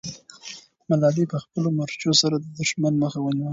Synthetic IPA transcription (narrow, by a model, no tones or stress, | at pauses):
malɑlipəxpəlomaɾt͡ʃosaɾad̪əd̪ʊʃmanməxawəniwəl